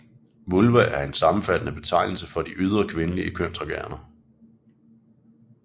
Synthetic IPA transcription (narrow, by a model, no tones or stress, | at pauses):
ʋulʋæʔæɐe̝nsɑ̈mm̩fæd̥nəb̥e̝t͡sʰɑ̈ɪ̰nl̩səfɒ̽d̥iʔyð̞ˠʁɐkʰʋe̝nəliəkʰøn̰t͡sʰʁɐɡ̥æɐnɐ